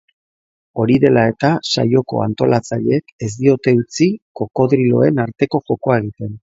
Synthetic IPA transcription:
o̞ɾiðe̞lae̞t̪asa̰jo̞ko̰a̰nt̪o̞lat͡saʎeeke̞zd̪io̞t̪e̞ut͡siko̞ko̞ðɾilo̞̰e̞naɾt̪e̞ko̞xo̞ko̞eɣit̪e̞n

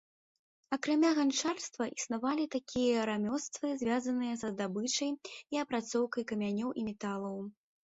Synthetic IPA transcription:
ɐkɾamʲaɣant͡ʂarst̪vɐʔisnavalʲit̪akʲʰijɐɾamʲɔst̪vɨzʲvʲazɐnɨjɐsɐzd̪abɨt͡ʂɐjiɐpɾat̪sɔwkɐjkɐmʲanʲɔwʔimʲɛt̪alˠɐw

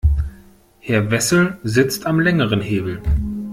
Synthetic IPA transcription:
hɛɐvɛsl̩zɪt͡stʰamlɛŋəʁənɦeːbl̩

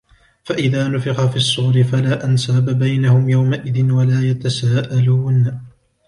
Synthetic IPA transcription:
faʔɪðaːnʊfɪqafiːɑsˤːuːɾɪfalaːʔansaːbabajnahʊmjawmaʔɪðɪnwalaːjat̪asaːʔaluːn

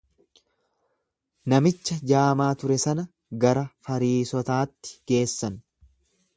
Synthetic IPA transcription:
nɐmɪt͡ʃːɐd͡ʒaːmaːt̪ʊɾɛsɐnɐ | ɡɐɾɐfɐɾiːsɔt̪aːt̪ːɪ̥ɡ̥e̞ːsːɐn

